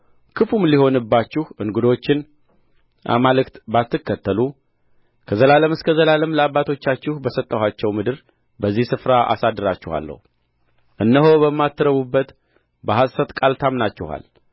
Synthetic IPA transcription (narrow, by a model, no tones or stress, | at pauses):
kʰɨfumliho̞nɨbːat͡ʃːɪhʔɨŋɡud̪o̞t͡ʃːɪn | ʔa̰malɨkt̪bat̪ːɨkːət̪ːəlu | kʰəzəlaləmɨskʰəzəlaləmləabːat̪ʰo̞t͡ʃːat͡ʃːɪhbəsət̪ʼːəhat͡ʃːɛwmɨd̪ɨɾ | bəzːihsɨfɾaʔa̰sad̪ɨɾat͡ʃːɪha̰lːə̰hu | ʔɨnːəɦobəmːat̪ʰːɨɾəβubːət̪ | bəɦassət̪ʼkʼalt̪ʰamnat͡ʃːɪha̰l